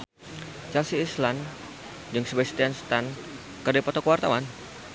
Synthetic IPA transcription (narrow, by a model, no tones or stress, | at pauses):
t͡ʃalsiːslan | d͡ʒəŋsəbasi̥t̪ianst̪an | kərdapat̪ɔkəwart̪awan